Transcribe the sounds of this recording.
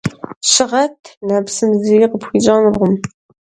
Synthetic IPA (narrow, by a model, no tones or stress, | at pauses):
ʃɨʁɐt̪ʰnapsɨmzijiqəpxʷid͡ʒɑːnrʁʷʊm